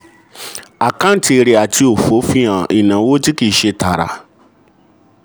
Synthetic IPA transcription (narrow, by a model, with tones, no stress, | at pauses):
a˨kã˦ti˧e˧ɾe˨˧a˨ti˧o˨fo˨˦fĩ˦ã˨i˨nã˨˦wo˦ti˦ki˦˨˦ʃe˧ta˨ɾa̰˨